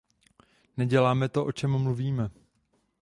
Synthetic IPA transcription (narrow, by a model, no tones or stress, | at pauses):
nɛɟɛlaːmɛt̪o̞ʔo̞t͡ʃɛmːluviːmɛ